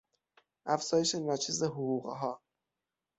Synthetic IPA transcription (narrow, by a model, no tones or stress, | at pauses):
ʔæfz̥ɒːje̞ʃenɒːt͡ʃʰiːzeɦoɣuːɣɦɒː